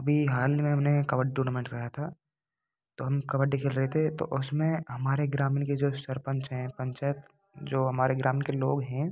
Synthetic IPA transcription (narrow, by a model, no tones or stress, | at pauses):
ɐbʱiɦaːlimẽɦɐmnekɐʋəʈ̚ʈuːnaːmẽːɳʈɾɐɦat̪ʰaː | t̪oːɦɐmkɐʋəʈ̚ɖɪkʰelɾɐɦet̪ʰet̪o̰ʔʊsmẽɦɐmaːɾeɡɾaːminked͡ʒoːsɐɾpə̃ɲt͡ʃɦɛ̃pɐ̃ɲt͡ʃaːjət̪ | d͡ʒoːɦɐmaːɾeɡɾaːmɪnkeloːɡɦɛ̃